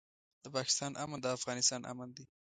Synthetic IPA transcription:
d̪̥əpɑkɪ̥st̪ɑnʔamand̪əafɣɑnɪst̪ɑnʔa̰mand̪i

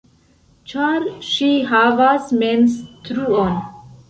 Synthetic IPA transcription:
t͡ʃaɾʃiɦavasmenstɾuon

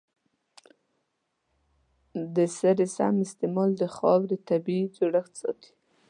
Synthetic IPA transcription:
d̪əsaɾɪsa̰mɪst̪emɑld̪əxɑwdət̪abid͡ʒoɽaxt̪sɑ̰t̪i̥

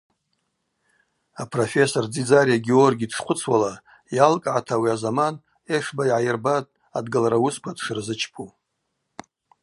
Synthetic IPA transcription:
apʰrofe̞sord͡zid͡zaɾijaɡʲeorɡʲiːdʂχʷʊt͡sʰwala | jalkʼʕatʰawiazaman | e̞ʂbaijʕajɪrbatʼ | adɡalaɾawuskʷʰadʂɨrzɨt͡ʃʰpʰu

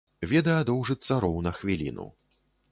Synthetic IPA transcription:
vʲɛd̪ɐjɐd̪ɔwʐɨt̪sɐɾɔwnɐxvʲilʲḭnṵ

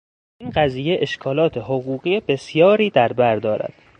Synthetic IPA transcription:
iːnɢæziːje̞ʔeʃkʰɒːlɒːt̪ʰe̞ɦoɣuːɣiːebe̞sjɒːɾiːd̪æɾbæɾd̪ɒːɾæ̰d̪̥

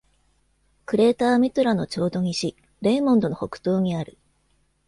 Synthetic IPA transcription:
kɯ̟ɾe̞ːt̪aːmʲit̪oɾano̞t͡ɕo̞ːd̪o̞ɲ̟iɕi | ɾe̞ːmõnd̪o̞no̞ho̞̰kɯ̟̥t̪o̞ːɲ̟iaɾɯ̟

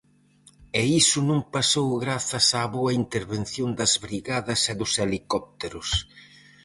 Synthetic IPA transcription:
ɛisʊnũŋpasowɣɾaθɐsaːβoɐint̪eɾβenθjond̪ɐzβɾiɣaðɐsɛðʊselikɔp̚t̪eɾʊs

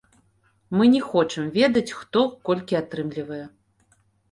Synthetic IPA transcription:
mɨnʲɛxɔt͡ʂɨmvʲɛd̪ɐt͡sʲxt̪ɔkɔlʲkʲiat̪ɾɨmlʲivɐjɛ

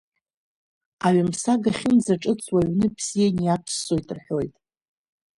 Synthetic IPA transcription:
aɥamsaɡaχʲɪmzaʈ͡ʂʼɨt͡sʰʼwaɥnɨpʰz̥ijanijapʰsːo̞jtʼrħojtʼ

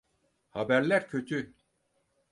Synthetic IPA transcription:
habæɾlʲæɾcʰø̞t̪ʰy

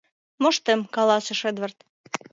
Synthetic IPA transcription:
mŏʃt̪emkɑlɑsə̆ʃed̪βə̆rt̪

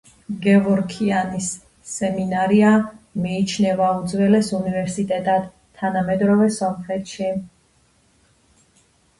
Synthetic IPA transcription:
ɡɛvɔɾkʰianisː | ɛminaɾiamiːt͡ʃʰnɛvaud̪zwɛlɛsunivɛɾsit̪ʼɛt̪ʼad̪̥ | t̪ʰːanamɛd̪ɾɔvɛsɔmχɾɛt̪ʰʃi

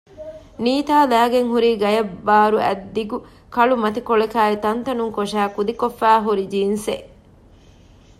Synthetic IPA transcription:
niːt̪aːlæːɡeŋɦuɾiːɡɐjɐbːaːɾuæ̰d̪ːiɡu | kɐɭumɐt̪ikoɭekaːit̪ɐnt̪ɐnuŋkoʃæːkud̪ikofːæːɦuɾid͡ʒiːnse

